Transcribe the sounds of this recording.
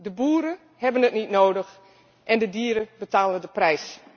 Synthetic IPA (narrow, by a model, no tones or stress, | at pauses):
dəbuːɾə | hɛbənətnitnoːdəx | ʔɛndədiːɾəbətaːləndəprɛjs